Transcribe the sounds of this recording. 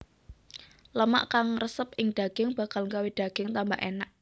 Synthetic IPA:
ləma̰ʔkaŋrəsəpɪŋɖ̪̥a̤ɡ̥ɪŋb̥a̤kalŋkawid̥a̤ɡ̥ɪŋt̪ambaʔenaʔ

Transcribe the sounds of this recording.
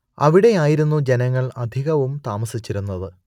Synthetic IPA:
ɐ̰ʋiɽe̞aːjiɾunːud͡ʑenɐŋːɐɭɐd̪ʱiɣɐʋumt̪aːmɐsit͡ɕːiɾunːɐðɨ

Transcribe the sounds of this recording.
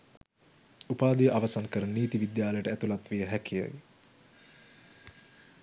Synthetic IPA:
upaːd̪ijəʔaʋasankəɾənniːt̪iʋid̪jaːləjəʈəæt̪ulat̪ʋijəɦɛkija̰j

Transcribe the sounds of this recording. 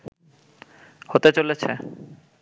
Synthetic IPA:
hot̪et͡ɕolet͡ɕʰe

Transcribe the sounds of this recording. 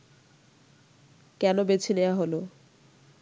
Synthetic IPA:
kɛnobet͡ɕʰineaɦolo

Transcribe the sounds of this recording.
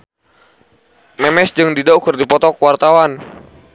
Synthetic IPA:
mɛmɛsd͡ʒɨŋdidaukɨrdipɔt̪ɔkəwart̪awan

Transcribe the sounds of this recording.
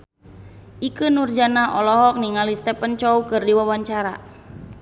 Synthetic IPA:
ʔikɨnurd͡ʒanaʔɔlɔɦɔk̚niŋalist̪ɛpənt͡ʃɔukɨrdiwawaɲt͡ʃaɾa̰

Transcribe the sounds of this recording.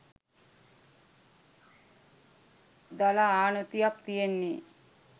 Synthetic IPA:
d̪alaaːnət̪ijak̚t̪ijenːi

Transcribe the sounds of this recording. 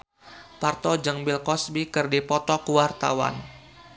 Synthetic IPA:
part̪ɔd͡ʒəŋbɪlkɔsbikɨrdipɔt̪ɔkuwart̪a̰wa̰n

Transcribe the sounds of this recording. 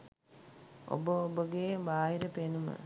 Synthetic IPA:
o̰bəobəɡebaːɦiɾəpenumə̰

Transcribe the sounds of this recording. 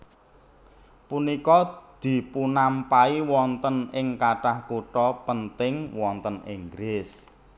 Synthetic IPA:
punikɔd̪̥i̤punampaiwɔnt̪ənɪŋkaʈahkuʈɔpənt̪ɪŋwɔnt̪əniŋɡɾɪs

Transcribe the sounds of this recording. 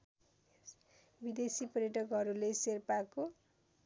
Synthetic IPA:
bid̪esipʌrjʌʈʌkɦʌɾuleserpako

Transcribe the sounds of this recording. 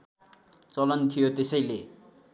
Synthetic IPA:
t͡sʌlʌnt̪ʰijot̪esʌjle

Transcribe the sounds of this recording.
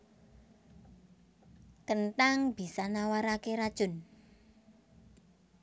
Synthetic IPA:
kənʈaŋb̥i̤sanawaɾakeɾad̥ʒ̥ʊ̤n

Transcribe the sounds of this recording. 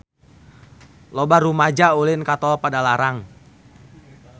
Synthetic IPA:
lɔbaɾumad͡ʒaulɪnkat̪ɔpadalaɾaŋ

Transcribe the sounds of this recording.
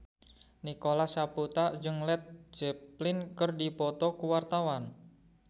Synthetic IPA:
nikolasaput̪ad͡ʒɨŋlɛt̪̚d͡ʒɛplɪnkərdipɔt̪ɔkuwart̪awan

